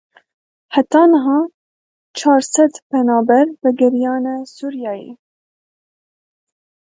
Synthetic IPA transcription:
hat̪ɑːnəɦɑː | t͡ʃʰɑːɾsɛd̪pɛnɑːbɛɾvɛɡɛɾijɑːnɛsuːɾjɑːjḛ

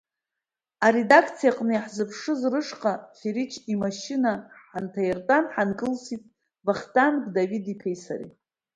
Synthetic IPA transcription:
aɾe̞dakʰt͡sʰijaqʼnɨjaħzɨpʰʂɨzrɨʂqʼafeɾit͡ʃʰimaʃinaħantʰajartʼanħankʼɨlsitʼ | baχtʼanɡdavidipʰejsa̰rḭ

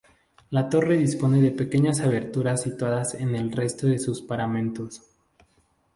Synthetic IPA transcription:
lat̪o̞re̞ðispo̞ne̞ðe̞pe̞ke̞ɲasaβe̞ɾt̪uɾasit̪waðase̞ne̞lre̞st̪o̞ðe̞suspaɾamẽ̞nt̪o̞s

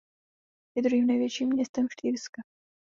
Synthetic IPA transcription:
jɛd̪ɾuɦiːmnɛjvjɛt͡ʃiːmːɲɛst̪ɛmfʃt̪iːɾska

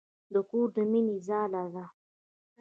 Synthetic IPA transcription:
d̪əkuːɾd̪əminizaːlaza

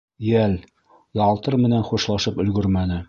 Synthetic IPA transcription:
jæl | jɑlˠt̪ɤɾmɘ̆nænχuʃlˠɑʃɤpɵ̆lɡɵɾmænɘ

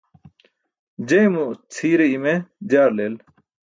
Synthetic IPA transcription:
d͡ʑɐjmut͡sʰiːɾeimed͡ʑaːɾleːl

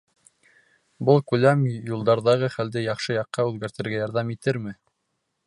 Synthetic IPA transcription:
bɤlˠkʉlæmjulˠd̪ɑɾðɑʁɤχæld̪ɘjɑχʃɤjɑqːɑʉðɡæɾt̪ɘ̆ɾɡæjɑɾðɑmit̪ɘɾmɘ

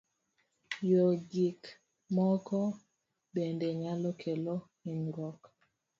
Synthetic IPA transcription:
joɡik | mɔkɔ | bendeɲalɔkʰelo | inɾɔk

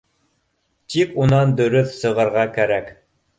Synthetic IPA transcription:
t̪ikunɑnd̪ɵ̆ɾɵθsɤ̆ʁɤ̆ɾʁɑkæɾæk

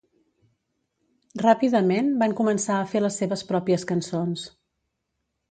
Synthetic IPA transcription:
rapiðəmenbaŋkumənsaəfeləsːeβəspɾɔpiəskənsons

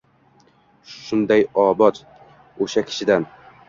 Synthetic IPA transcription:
ʃʊnd̪ajɒːbɒt̪ | oʃakʲʰɪ̥ʃɪd̪an

